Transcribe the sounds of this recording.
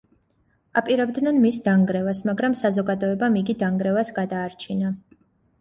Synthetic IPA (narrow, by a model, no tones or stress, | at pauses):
apʼiɾɛbd̪nɛnmisd̪aŋɡɾɛvasmaɡɾamsazɔɡad̪ɔɛbamiɡid̪aŋɡɾɛvasɡad̪aːɾt͡ʃʰina